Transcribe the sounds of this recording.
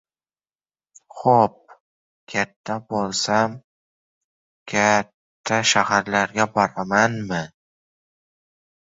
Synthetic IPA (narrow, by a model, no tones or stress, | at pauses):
χop̚ | kʲʰat̪ʰːabolˠsam | kʲʰat̪ʰːaʃahaɾlaɾɡʲabɒɾamanmɪ